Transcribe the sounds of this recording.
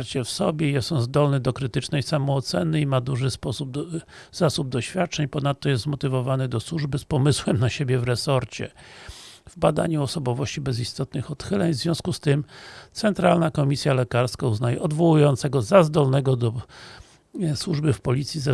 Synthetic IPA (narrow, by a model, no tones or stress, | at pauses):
ɾt͡ɕɛfsɔbʲjɛjɛsɔ̃zd̪ɔlnɘd̪ɔkɾɘt̪ɘt͡ʂnɛjsamɔːt̪sɛnɘimad̪uʐɘspɔsub̚ | z̥asub̚d̪ɔɕfʲjat̪̚t͡ʂɛɲpɔnat̪ːɔjɛst̪zmɔt̪ɘvɔvanɘd̪ɔswuʐbɘspɔmɘswɛmnaɕebʲjɛvɾɛsɔɾt͡ɕɛ̰ | vbad̪a̰ɲuɔsɔbɔvɔɕt͡ɕibɛzist̪ɔt̪nɘxɔt̪xɘlɛɲvzvʲɔ̃w̃skust̪ɘmt̪sɛnt̪ɾalnakɔmʲisʲjalɛkaɾskauznajɛʔɔd̪vɔwujɔnt̪sɛɡɔzazd̪ɔlnɛɡɔd̪ɔ | swuʐbɘfpɔlʲit̪sʲjiza